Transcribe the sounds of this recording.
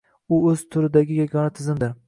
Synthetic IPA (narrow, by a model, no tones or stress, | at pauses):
ʊɵz̥t̪ʰʊɾɪd̪aɡʲɪjaɡʲɒnat̪ʰɪzɪmd̪ɪɾ